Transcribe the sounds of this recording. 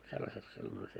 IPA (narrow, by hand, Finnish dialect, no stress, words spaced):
selːɑset silːon olʲ se